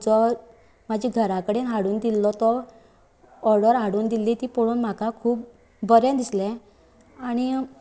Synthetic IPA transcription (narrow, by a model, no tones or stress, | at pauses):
d͡zɔ | mad͡ʑʱiɡʱəɾãkəɽenɦaɽuːnd̪ilːɔt̪ɔ | ɔɾɖəɾɦaɽuːnd̪ilːit̪iːpoɽuːnm̤akakʰuːp̚ | bəɾẽd̪islẽ | aɽ̃i